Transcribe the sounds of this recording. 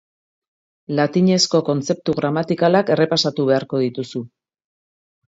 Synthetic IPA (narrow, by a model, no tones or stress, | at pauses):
lat̪iɲe̞sko̞ko̞nt͡se̞p̚t̪uɣɾamat̪ikalake̞re̞pasat̪uβ̞e̞aɾko̞ð̞it̪usu